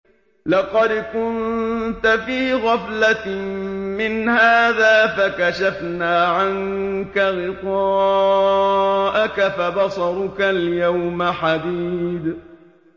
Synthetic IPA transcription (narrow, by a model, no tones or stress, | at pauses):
lɑqɑd̪kʊnt̪afiːɣafla | mɪnhaːðaːfakaʃafnaːʕaŋkaɣɪq̪ɑː | ʔakafabɑsˤɑɾˤʊkaljawmaħad̪iːd̪